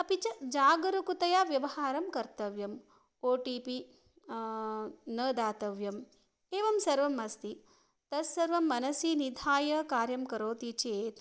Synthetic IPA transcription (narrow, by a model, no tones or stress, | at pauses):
ɐpit͡ʃɐd͡ʒaːɡɐɾukut̪ɐjaːʋjɐʋɐhaːɾɐmkɐɾt̪ɐʋjɐm | oːʈiːpi | nəːd̪aːt̪ɐʋjɐm | eːʋɐmsɐɾʋɐmɐst̪i | t̪ɐsːɐɾʋɐmːɐnɐsinid̪ʱaːjɐkaːɾjɐmkɐɾoːt̪it͡ʃeːt̪